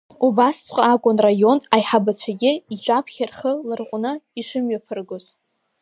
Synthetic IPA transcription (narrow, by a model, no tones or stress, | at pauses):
ubast͡sʰqʷʼaːkʷʼʊnrajo̞najħabat͡ɕʷʰaɡʲɪit͡ʃʷʼapʰχʲɪrχəlɨrqʷʼʊnɨiʂɨmɥapʰɨrɡoz̥